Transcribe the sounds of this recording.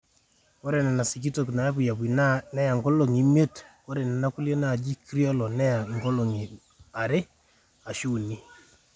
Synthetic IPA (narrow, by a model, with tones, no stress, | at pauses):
ko˦ɾe˨nɛ˨na˨si˨k̬i˦to˨kna˨ja˦p̬u˨ja˨pwi˨nnɛ˦ja˨ŋɡo˦lo˨ŋi˨˦me˦tko˦ɾɛ˨nɛ˨na˦ku˦lje˦na˨d͡ʒi˦kɾi˦ɔ˦lɔ˨nɛ˦a˨ŋɡo˦lo˨ŋi˨ | a˨ɾe˦ | a˨ʃu˦ni˦